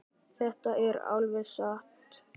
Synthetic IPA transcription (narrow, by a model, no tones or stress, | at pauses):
θɛht̪aʔɛɾa̰wlvɪðsaht̪